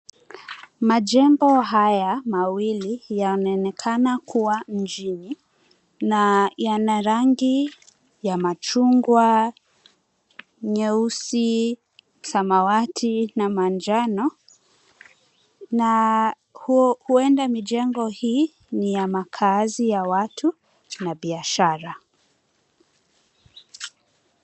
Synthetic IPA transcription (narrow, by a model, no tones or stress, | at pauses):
maʄɛmbɔɦajamawilijanaɛnɛkʰanakuwam̩d͡ʒini | najanaɾaŋɡi | jamat͡ʃuŋɡwa | ɲɛusi | samawatʰinamand͡ʒanɔ | na | huhuɛndamiʄɛŋɡɔhiː | nijamakʰazijawatʰu | naɓiaʃaɾa